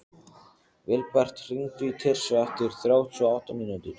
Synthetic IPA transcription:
vɪlpar̥t̪r̥iŋt̪ʏit̪ʰɛr̥svaft̪ɪɾ̥θɾjaːwt̪ʰːɔawht̪aminːut̪ʏɾ̥

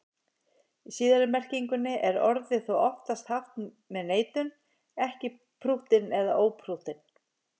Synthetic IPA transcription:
isiːðaɾʏmɛr̥ciŋkʏnːɪʔɛɾɔɾðɪθuwɔft̪ast̪haft̪ | mɛðneːjt̪ʏn | ɛhcɪ | pʰɾuht̪ɪnɛðaʔoːwpʰɾuht̪ɪn

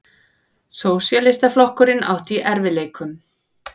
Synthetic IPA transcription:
soːwsjalɪst̪aflɔhkʏɾɪna̰wht̪iʔɛɾvɪleːjkʏm

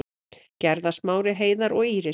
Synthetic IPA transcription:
cɛɾðasmaːwɾɪɦeːjðaɾɔɣiːɾɪ

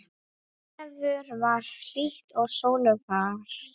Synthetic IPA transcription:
ɛðʏɾvaɾ̥l̥iht̪ɔɣsoːwnʏpaɾ̥

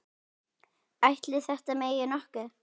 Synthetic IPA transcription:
ajht̪lɪθɛht̪ameːjɪnɔhkʏ

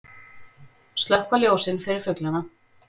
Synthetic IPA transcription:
st̪lœhkvaljoːwsɪnfɪɾɪɾ̥fœklana

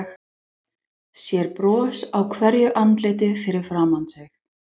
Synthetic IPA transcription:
x | sjɛɾpɾɔːsawkʰvɛɾjʏʔant̪lɪjt̪ɪfɪɾɪɾ̥fɾaːmant̪sɛx

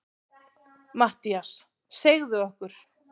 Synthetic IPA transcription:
maht̪ias | seɣðʏɔhkʏɾ̥

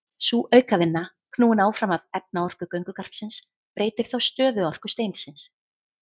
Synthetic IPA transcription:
suʔœɥkavɪnːa | kʰnuːɪnaːwfɾamavɛp̚naɔr̥kʏkœɥŋkʏkar̥psɪns | pɾeːjt̪ɪɾ̥θawst̪œːðʏɔr̥kʏst̪eːjnsɪns

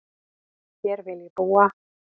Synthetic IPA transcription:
çɛɾvɪlibuːa

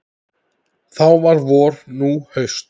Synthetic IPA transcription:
θawvaɾvɔːɾnuhœɥst̪

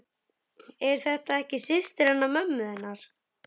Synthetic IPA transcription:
ɛɾ̥θɛht̪aɛhcɪsɪst̪ɪɾɛnːamœmːʏðɪnːaɾ̥

